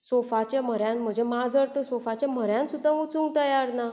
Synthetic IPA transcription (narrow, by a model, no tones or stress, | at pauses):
sofat͡ɕam̤əɾjãnm̤əd͡ʑʱemad͡zəɾt̪əsofat͡ɕjam̤əɾjãnsud̪ʱːaut͡sũŋɡ̚t̪əjaɾna